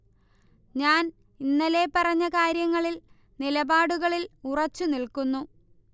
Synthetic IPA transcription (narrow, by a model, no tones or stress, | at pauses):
ɲaːn | inːɐle̞ːpɐrɐɲːɐkaːɾjɐŋːɐɭil | nilɐbaːɽuɣɐɭilurɐt͡ɕːunilkunːu